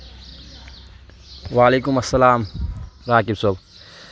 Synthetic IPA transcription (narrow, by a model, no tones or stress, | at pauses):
ʋaːleːkʊmɐsːɐlaːmɾaːkɪbsob